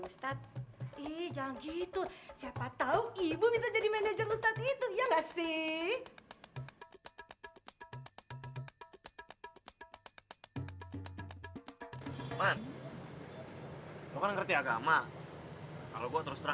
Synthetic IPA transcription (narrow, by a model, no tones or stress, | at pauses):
ust̪at̪̚ihd͡ʒaaŋɡit̪usiapat̪auibubisad͡ʒadimɛned͡ʒərust̪at̪̚it̪ujaŋasɪh | man | lokanŋərt̪iaɡa̰ma | ka̰loɡuat̪əɾʊst̪ɾa